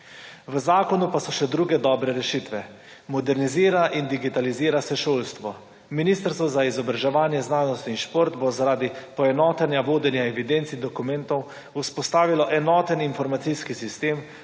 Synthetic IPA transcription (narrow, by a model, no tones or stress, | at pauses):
ʋəzaːkɔnupasɔʃɛd̪ɾuːɡɛd̪ɔːbɾɛɾɛʃit̪ʋɛ | mɔd̪ɛɾniziːɾaʔind̪iɡit̪aliziːɾasɛʃoːlst̪ʋɔ | minist̪əɾst̪ʋɔzaizɔbɾaʒɛʋaːnjɛznaːnɔst̪iinʃpoːɾt̪bozaɾaːd̪ipɔɛnɔːt̪ɛnjaʋoːd̪ɛnjaɛʋid̪ent̪sid̪ɔkumɛnt̪ɔw | uspɔst̪aːʋilɔʔɛnɔːt̪əninfɔɾmat̪siskisist̪eːm